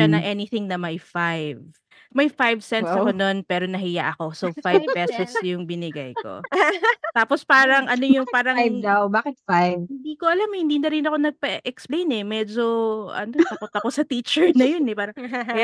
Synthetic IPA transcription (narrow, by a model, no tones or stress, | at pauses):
anɐʔɛniθɪŋnɐmɐjfajv | mɐjfajvsɛnsɐkono̞npɛːɾo̞nɐɦɪja̰ʔɐko̞sofajvpɛsosjʊŋbɪnɪɡa̰jko̞̰ | t̪aːpo̞spaːɾɐŋʔɐno̞jʊŋpaːɾɐŋvd̪ɐwbaːkɪt̪̚fajvhɪnd̪iːko̞ʔɐlamhɪ̃nd̪iːnɐɾɪnɐko̞nɐɡ̚pɐʔɛksplejnɛmɛd͡ʒo̞ʔɐ̰not̪ɐkot̪ɐko̞sɐt̪iːt͡ʃɛɹnɐjonɛpaːɾɐŋɐja